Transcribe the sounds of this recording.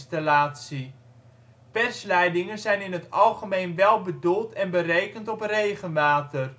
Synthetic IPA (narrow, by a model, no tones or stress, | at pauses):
stalaːtsi | pɛrslɛjdɪŋənzɛjnɪnɦətɑlˠχəmejnʋɛlˠbədulˠtʰɛnbərejkəntɔprejχənmaːtər